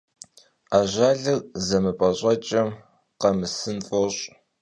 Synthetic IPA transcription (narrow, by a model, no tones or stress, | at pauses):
aːʒaːɮɨrzɐmɨpʼɐɕʼɐt͡ʃʼɐm | qɐmɨsɨnfʼoɕʼ